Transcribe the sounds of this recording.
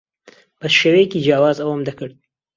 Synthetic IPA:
b̥ɐʃeːwejekiːd͡ʒjaːwaːzɐwəmd̪ɐkɨɾd̪̚

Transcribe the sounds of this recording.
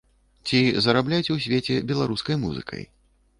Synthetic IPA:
t͡sʲizɐɾablʲat͡sʲwsʲvʲet͡sʲɛbʲɛlˠaɾuskɐjmuzɨ̰kʰɐ̰j

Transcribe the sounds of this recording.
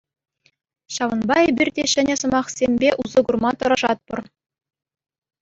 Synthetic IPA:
ɕɑʋɤ̆nbɑebʲirʲdʲeɕɘ̆nʲɘ̆sɤ̆mɑχsʲemʲbʲeʔuzɤ̆ɡurmɑt̪ɤ̆ɾɑʐɑt̪̚pɤ̆r

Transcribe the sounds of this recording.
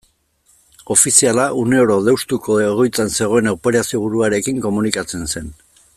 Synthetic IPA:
o̞fisialaʔune̞oɾoðewst̪ukʰooɣo̞jt͡sanse̞ɣ̞o̞e̞nawpe̞ɾasio̞β̞uɾuaɾe̞kiŋko̞munikat͡se̞nse̞n

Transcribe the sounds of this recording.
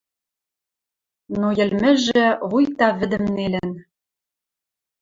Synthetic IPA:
nojɘ̆lmɘ̆ʒɘ̆βujt̪ɑβɘ̆d̪ɘ̆mnelɘ̆n

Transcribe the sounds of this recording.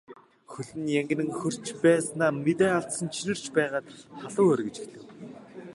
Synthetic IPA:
xɵɮɘ̆njæŋɡ̆nɘ̆ŋxɵr̥t͡ɕpæːsnaːmet̪æːaɬsə̆nt͡ɕʰinɘ̆r̥t͡ɕpæːʁaːt̪χaɮʊːœrɣɘ̆t͡ɕi̥xt̪ɘ̆w

